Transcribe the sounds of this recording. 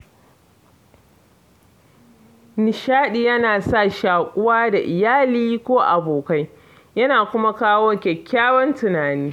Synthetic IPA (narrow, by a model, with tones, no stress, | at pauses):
nɪ˨ʃaː˦ɗi˨jɐ˦naː˨sa˦˨ʃaː˨kʷʼʊ˦waː˦da˨ʔɪ˨jaː˦liː˦kʷoː˦ʔa˨boː˨ka˦j | jɐ˦naː˨kʷʊ˦ma˦kaː˦wɔ˦ŋkʲɛ˨kʲʰːaː˦wɔ˦ntʊ˨naː˨niː˦